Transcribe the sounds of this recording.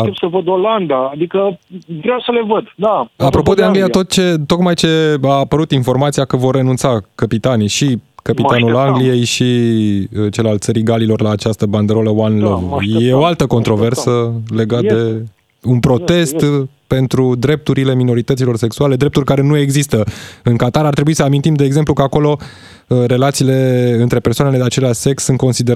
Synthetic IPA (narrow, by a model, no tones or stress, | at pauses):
səvəd̪oland̪aːd̪ikəvɾeawsəlevəd̪d̪aapɾo̞po̞d̪eaŋɡlijat̪o̞t̪̚t͡ʃe̞t̪o̞kmajt͡ʃe̞aːpəɾut̪info̞rmat̪sijakəvo̞rːe̞nunt̪sakəpit̪anijʃikəpit̪anulaŋɡlije̞jʃi | t͡ʃe̞lalt̪səɾiɡalilo̞rlaːt͡ʃast̪əband̪eɾo̞ləwanlovjeoalt̪əko̞nt̪ɾo̞ve̞rsəle̞ɡat̪̚d̪e̞ | unpɾo̞t̪e̞st̪ | pe̞nt̪ɾud̪ɾe̞p̚t̪uɾile̞mino̞ɾit̪ət̪silo̞rse̞ksuale̞d̪ɾe̞p̚t̪urʲkaɾe̞nue̞ɡzist̪əɨŋkat̪aɾart̪ɾebuisəamint̪imd̪e̞ːɡze̞mplukəako̞lo̞ | re̞lat̪siːle̞ɨnt̪ɾe̞pe̞rsowaneed̪at͡ʃe̞leaʃʲse̞ksːɨnt̪̚ko̞nsid̪e